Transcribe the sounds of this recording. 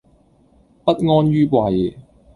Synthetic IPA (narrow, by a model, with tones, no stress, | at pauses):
pɐ˥t̚ŋɔː˥nɥyː˥pwaː˨˩je˨˩